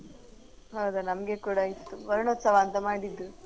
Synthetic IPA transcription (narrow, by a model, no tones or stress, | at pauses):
ɦɐwd̪ɐnɐmɡekuːɽɐit̪ːuʋɐɾɐɳot̪sɐʋaːnt̪ɐmaːɽid̪ːɾu